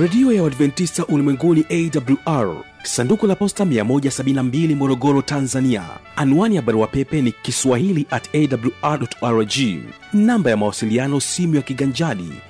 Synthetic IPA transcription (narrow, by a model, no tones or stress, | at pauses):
ɾɛɗiɔjawadvɛntistaʔulimwɛŋɡuniʔɛidabuluʔaɹ | sandukulapɔstamiamɔʄasaɓinnambilimɔɾɔɡɔɾɔtanzania̰anuaniaɓaɾuwapɛpɛnikiswahiliʔatɛdabuljuʔaɗɔtaɾd͡ʒi | nambajamawasilianɔsimujakiɠaɲd͡ʒaɗḭ